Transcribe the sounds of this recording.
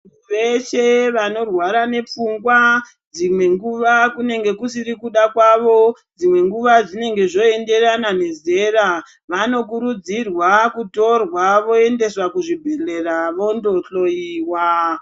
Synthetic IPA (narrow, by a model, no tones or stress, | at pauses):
uʋet͡ʃe̞ʋano̞rwaɾane̞p͡fuŋɡwa | d͡zimwe̞ŋɡuʋakune̞ŋɡe̞kusiɾikuɗakwaʋo̞ | d͡zimwe̞ŋɡuʋad͡zine̞ŋɡe̞ʐo̞e̞nde̞ranane̞ze̞ːɾa | ʋano̞kuɾud͡zirwakuto̞rwaʋo̞e̞nde̞swakuʐibʱere̞raʋo̞ndo̞ɬo̞jiːwa